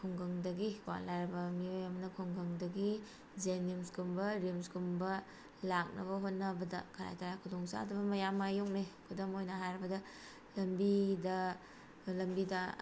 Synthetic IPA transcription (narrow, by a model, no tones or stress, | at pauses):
kʰɔŋɡɐŋdɐɡikuwa̰nlajɾɐbɐmiojɐmɐnɐkʰuŋɡɐŋdɐɡi | zenimsɡumbɐɾimskumbɐ | lak̚nɐ̰βɐɦot̚nɐbɐdɐkʰɐɾa̰jtaɾakʰudoŋsa̰dubɐmɐjamːajok̚nekʰudɐmojnɐɦajɾɐbɐdɐ | lɐmbidɐ | lɐmbidɐ